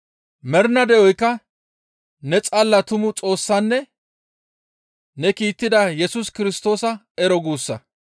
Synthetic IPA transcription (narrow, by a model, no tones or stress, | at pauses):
mɛɾnɐd̪ɛʔɔjkːɐ | nɛt͡sʼɐlːɐt̪ʊmʊt͡sʼo̞ːsːɐnːɛ | nɛkiːt̪ːɪd̪ɐjɛsʊskɪɾɪst̪o̞ːsɐ | ɛɾɔɡuːsːɐ